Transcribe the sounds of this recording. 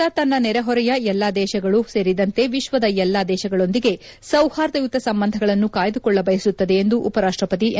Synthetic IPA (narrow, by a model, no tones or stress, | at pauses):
ɐt̪ɐnːɐnɛɾɐɦɔɾɛjɐɛlːaːd̪ɛːʃɐɡɐɭuse̞ːɾid̪ɐnt̪e̞ʋiʃʋɐd̪ɐɛlːaːd̪ɛːʃɐɡɐɭo̞nd̪iɡe̞ | sɐwhaːɾd̪ɐjut̪ɐsɐmbɐnd̪ʱɐɡɐɭɐnːukaːjɐd̪ukɔɭːɐbɐjɐsut̪ːɐd̪e̞ːnd̪uʔːpɐɾaːʂʈɾɐpɐt̪̬i